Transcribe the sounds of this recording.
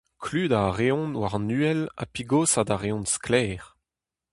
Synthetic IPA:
kʰlyːdaʁeɔ̃nwaʁnyːɛla̰piɡoːsadaʁeɔ̃nsklɛːʁ

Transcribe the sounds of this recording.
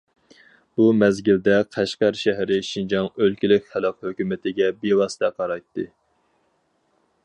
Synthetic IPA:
b̥umɛzɡʲɪld̪ɛqʰæʃqæɾʃæɦɾɪʃind͡ʒɑŋølkʲilɪkʲχælˠɑqhøkʲymɪt̪ʰɪɡʲɛbewɑsɨ̥t̪ʰɛqʰɑɾɑjt̪ːɨ

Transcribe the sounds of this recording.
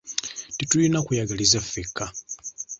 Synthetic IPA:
titulinakujaɡalizafːekːa

